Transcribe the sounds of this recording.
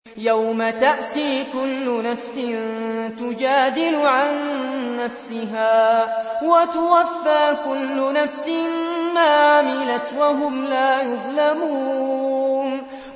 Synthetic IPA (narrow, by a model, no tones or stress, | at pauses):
jawmat̪aʔt̪iːkʊlːʊnafsɪnt̪ʊd͡ʒaːd̪ɪlʊʕanːafsɪɦaːwat̪ʊwafːaːkʊlːʊnafsɪmmaːʕamɪlat̪waɦʊmlaːjʊðˤlamuː | n